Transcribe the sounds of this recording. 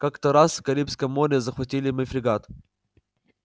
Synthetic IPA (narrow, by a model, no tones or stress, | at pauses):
kakt̪əɾaskɐɾʲipskəjmːoɾʲɪzəxvɐtʲilʲɪməfɾʲɪɡat̪